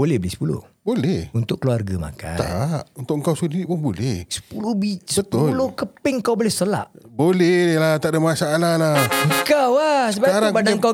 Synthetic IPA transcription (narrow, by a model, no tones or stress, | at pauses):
bolɛhbəlɛsə̥pulʊ̰hbolɛhunt̪ʊʔ̚kəluarɡəma̰ka̰a̰ʔunt̪ʊʔəŋkawsudiɾiʔpʊnbolɛhsə̥pulobisəət̪ulokəpɪŋkawbolɛsəla̰ʔbolɛdelaht̪aʔdamasaʔalalaŋkawasəbaaɾabadaŋŋka